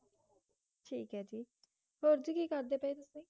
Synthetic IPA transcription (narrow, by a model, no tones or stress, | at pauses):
ʈʰiːkɦɛːd͡ʒiː | ɦoːɾd͡ʒiːkiːkəɾd̪eːpəiːt̪ʊsĩː